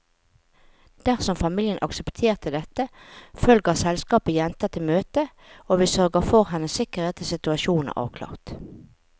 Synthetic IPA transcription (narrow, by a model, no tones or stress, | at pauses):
d̪̥æʁsɔmfɑmiːljənʔɑ̰ksəpt̪ʰeːʁt̪əd̪ɛt̪əfœlɡəʁsɛlskɑːpəjɛnt̪ət̪ʰɪmøːt̪ə | oːʋiːsœʁɡəʁfɔʁhɛnəsɪkəʁeːt̪ʰɪsɪt̪ʉɑʃuːnnə̰ʁʔɑ̰ːʋkʰlɑ̰ːʁt̪